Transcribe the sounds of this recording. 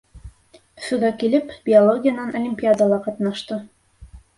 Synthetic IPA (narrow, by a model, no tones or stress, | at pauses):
ɵ̥̆sɵ̆ɡækilɘpb̥ʲɪolˠoɡʲɪjanɑnʔolʲɪmʲpʲiad̪ɑlˠɑqɑt̪nɑʃt̪ɤ